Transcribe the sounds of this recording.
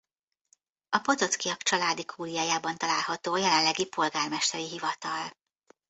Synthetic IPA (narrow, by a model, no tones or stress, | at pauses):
ɒpo̞t̪o̞t̪kijɒkt͡ʃɒlaːd̪ikʰuːlijaːjaːbɒnt̪ɒlaːlɦɒt̪oːjɛlɛnlɛɡipo̞lɡaːrmɛʃt̪ɛɾiɦivɒt̪ɒl